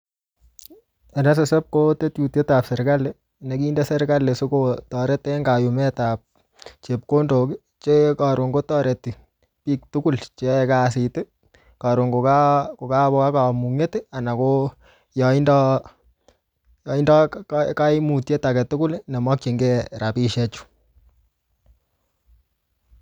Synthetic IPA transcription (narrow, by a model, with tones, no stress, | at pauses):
ɛ˨nɛ˦s̬e˨sɛ˦p̚ko˦te˦tju˨tje˦ta˨psɛ˨ɾka˦le | ne˨ki˦nde˦sɛ˦ɾka˦le˨su˦kotɔ˨ɾɛ˦tːe˦ŋɡa˨jumɛ˦tap̚ | t͡ʃe˨p̚ko˦ndo˨ki˦ | t͡ʃeka˨ɾo˨ŋɡo˦tɔ˦ɾe˨tːi˨ | piː˦k̚tuku˦lt͡ʃeɛkasi˨tɪ˦ | ka˨ɾo˨ŋɡo˨ka˦ko˨ka˦βo˦ka˦ka˨mu˨ŋe˦ta˨na˨ko | jɔ˨indɔ˦ | jɔ˨i˦ndɔ˦ka˦i˦mu˨tje˦ta˨kɛ˨tu˦ku˦lnɛ˨mɔ˦k̚t͡ʃe˨ŋɡe˦ɾa˨pi˦ʃɛ˦t͡ʃu̥˦